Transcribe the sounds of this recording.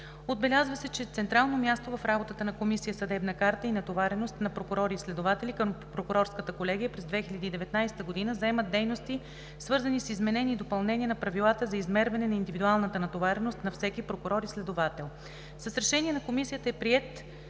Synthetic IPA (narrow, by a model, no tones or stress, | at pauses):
od̪̚bɛlʲazvəsɛt͡ʃɛt̪sɛnt̪ɾalˠnomʲjast̪ovɐfɾabot̪ət̪ənɐkomisijəsɐd̪ɛbnəkaɾt̪əinɐt̪ovaɾɛnost̪nɐpɾokʊɾɔɾiːslɛd̪ovat̪ɛlikəmpɾokʊɾɔɾskət̪əkolɛɡ̟ijəpɾɛzd̪vɛxilʲɐd̪iːd̪ɛvɛt̪najsɛ̥t̪əɡod̪inəzɐɛmət̪̚d̪ɛjnost̪i | svɤɾzɐnisizmɛnɛnʲiːd̪opɐlˠnɛnʲiɛnɐpɾɐvilˠat̪əzɐizmɛɾvɐnɛnɐind̪ivid̪ualˠnət̪ənɐt̪ovaɾɛnost̪nɐfsɛkipɾokʊɾɔɾislɛd̪ovat̪ɛlˠ | səsɾɛʃɛniɛnɐkomisijət̪əɛpɾiɛt̪